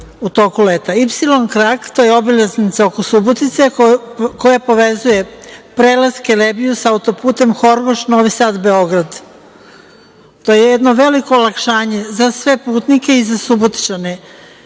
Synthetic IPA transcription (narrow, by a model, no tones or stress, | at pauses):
ut̪oːkulet̪aipsilˠo̞nkɾakt̪ojeobilaznit̪sao̞kosubot̪it̪sekojapo̞ʋezuje̞pɾelaskelebijusaut̪o̞puːt̪e̞mxo̞ɾʋoʃno̞ʋisaːd̪be̞o̞ɡɾad̪ | t̪oːjejed̪noʋe̞liko̞ːlakʃaːɲe̞zasʋe̞puːt̪nike̞izasubot̪i̥t͡ʃane